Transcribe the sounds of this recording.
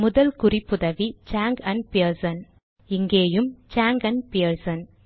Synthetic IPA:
mʊðɐlkʊrɪpːʊðɐʋit͡ʃaːŋɡɐnpiɐɾsɐn | ɪŋɡeːjɯmt͡ʃaːŋɡɐnpiɐɾsɐn

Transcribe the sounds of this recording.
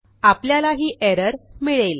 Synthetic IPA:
apljalaɦiːʔeɾəɾmiɭel

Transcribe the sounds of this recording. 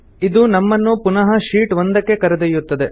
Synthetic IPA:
id̪unɐmːɐnːupunɐɦɐʃiːʈʋond̪ɐkːe̞kɐɾɐd̪ejut̪ːɐd̪e̞

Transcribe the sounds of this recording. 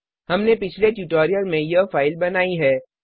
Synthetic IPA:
hɐmnepɪt͡ʃʰleʈjuːʈoːɾijəlmẽjəfaːɪlbɐnaːiɦɛː

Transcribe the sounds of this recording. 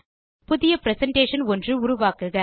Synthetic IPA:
pʊðɪjɐpɾɛsɐɳʈeːʂɐnɔndrɯʊɾʊʋaːkɯɣɐ

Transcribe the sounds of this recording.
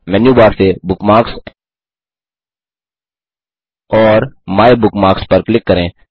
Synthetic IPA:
mɛnjuːbaːɾsebʊkmaːks | ɔːɾmaːebʊkmaːkspɐɾklɪkːəɾẽː

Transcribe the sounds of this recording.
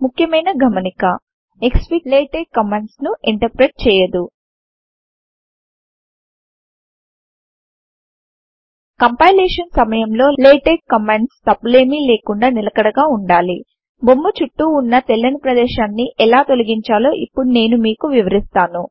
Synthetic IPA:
mukʰjɐmɐjnɐɡʱɐmɐnikɐ | ekspileːʈekːɐmeɳɖsnuiɳʈɐɾpɾeʈ̚t͡ʃɛːjɐd̪u | kɐmpaːjleːʂɐnsɐmɐjɐmlo̞ːleːʈeːkkɐmeɳʈst̪ɐpleːmiːle̞ːkuɳɖaːnilɐkɐɽɐɡaːuɳɖaːli | bo̞mːut͡ʃuʈːuːnːɐt̪elːɐnipɾɐd̪ɛːʃaːnːiʔɛlaːt̪o̞lɐɡiɲt͡ʃaːloːʔipːuɽune̞ːnumiːkuʋiʋɐɾist̪aːnu

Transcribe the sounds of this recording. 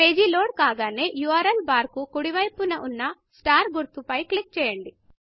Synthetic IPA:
eːd͡ʒiloːɽkaːɡaːne̞ːjuʋɐɾɐlbaːɾkukuɽiʋɐjpunɐʔunːɐsʈaːɾɡuɾt̪upɐjklek̚ʈ̚t͡ʃɛːjɐɳɖi

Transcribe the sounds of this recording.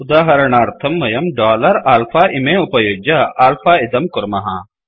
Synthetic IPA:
ʊd̪aːɦɐɾɐɳ̃aːɾt̪ʰɐmːɐjɐmɖaːlɐɾaːlfʰaːʔɪmẽʊpɐjoːd͡ʒɐaːlfʰaːɪd̪ɐmkʊɾmɐɦã̰ː

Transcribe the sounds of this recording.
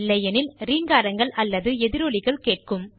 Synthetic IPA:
lːɐjɐnɪlɾiːŋɡaːɾɐŋɡɐɭɐlːɐðɯɛðɪɾoːɭɪɣɐɭkeːʈ̚kɯm

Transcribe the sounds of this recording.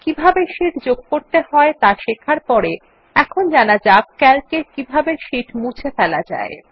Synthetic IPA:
kibʱabeʃiʈd͡ʑoɡ̚koɾt̪eɦɔet̪aʃekʰaɾpɔɾe | ɛkʰond͡ʑanad͡ʑab̚kɛlkekibʱabeʃiʈmũt͡ɕʰefɛlad͡ʑa̰e

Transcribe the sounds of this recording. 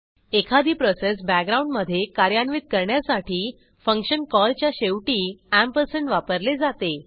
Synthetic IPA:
ekʰad̪ʱiːpɾosesbækɡɾauɳɖməd̪ʱːjekaɾjanʋiːt̪̚kəɾɳjasaʈʰiː | fəŋkɕənkɔlt͡ɕjaɕeʋʈiːæmpəɾseɳʈʋapəɾled͡zat̪e

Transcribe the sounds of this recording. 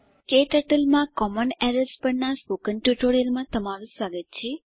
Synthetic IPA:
keʈəʈəlmãkɔmənɛɾəlspəɾnaspokənʈjuʈoɾijəlmãt̪əmaɾũsaɡət̪t͡ʃʰe

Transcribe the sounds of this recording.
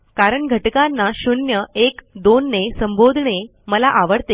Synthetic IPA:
kaɾəɳɡʱəʈkanːaɕunjəekd̪onːesəmbod̪ʱɳe | məlaʔaʋəɽt̪e

